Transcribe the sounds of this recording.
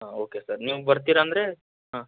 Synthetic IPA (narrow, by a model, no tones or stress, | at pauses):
ɦaoːkesɐɾniːʋubɐɾt̪̬iːɾaːnd̪ɾe̞ | ɦãː